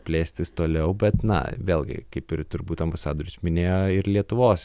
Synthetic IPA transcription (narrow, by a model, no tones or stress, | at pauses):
pʲlʲeːsʲt̪ʲɪst̪oːlʲɛʊbʲɛt̪nɐ̰ʋʲeːlˠʲɡʲɪ̰kɐɪpɪɾt̪ʊɾbuːt̪ɐmbɐsɑːd̪oːɾʲɪt͡ʃʲmʲɪnʲeːjoːɪɾlʲiɛt̪ʊʋoːs